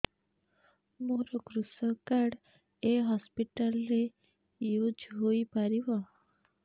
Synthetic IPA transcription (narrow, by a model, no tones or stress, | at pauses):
moɾɔkɾusɔkaɽ | eɦɔspiʈalɾe | jud͡ʒɦoipaɾibɔ